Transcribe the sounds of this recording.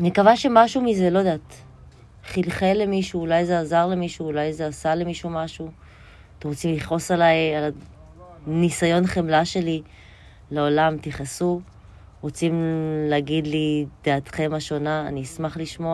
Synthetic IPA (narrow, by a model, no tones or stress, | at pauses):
nekavaʃemaʃumize̞lo̞d̪aːt | χilχele̞miʃuːlajzeazaʁle̞miʃuːlajze̞asale̞miʃumaʃu | t̪emʁot͡simliχo̞salajala | nisajo̞nχemlaʃe̞li | leolamt̪iχasu | ʁot͡simleaɡid̪lid̥aːt̪χe̞maʃo̞naːniːsmaχliʃmo̞a